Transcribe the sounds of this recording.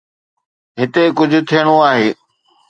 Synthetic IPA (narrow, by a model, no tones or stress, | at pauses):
ɦɪt̪ekʊd͡ʑʱʊ̆t̪ʰijəɽ̃oaːɦeː